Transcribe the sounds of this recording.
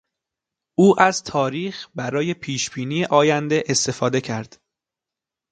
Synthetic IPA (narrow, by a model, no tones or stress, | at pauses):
ʔuːʔæz̥t̪ʰɒːɾiːxbæɾɒːje̞pʰiːʃb̥iːniːeʔɒːjænd̪eʔest̪e̞fɒːd̪e̞cʰæɾd̪̥